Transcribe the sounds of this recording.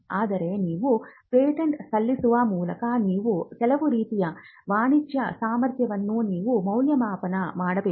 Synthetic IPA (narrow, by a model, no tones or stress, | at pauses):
aːd̪ɐɾeːniːʋupeːʈɐɳʈsʰɐlːisuʋaːmuːlɐkɐniːʋut̪ɛlɐʋuɾiːt̪ijɐ | ʋaːɳit͡ʃjɐsaːmɐɾt̪jɐʋɐnːuːniːʋumɐwljɐmaːpɐnɐmaːɽɐpe